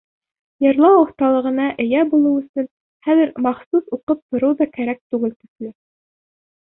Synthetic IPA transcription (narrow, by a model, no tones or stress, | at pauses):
jɤ̆ɾlˠɑwŏθt̪ɑlˠɤ̆ʁɤ̆nɑʔɘ̆jæbulˠɤɵ̆sɵn | χæðɘ̆ɾmɑχsusuqɤp̚t̪ŏɾɤwðɑkæɾæk̚t̪ʉɡɘlt̪ɵ̆slɘ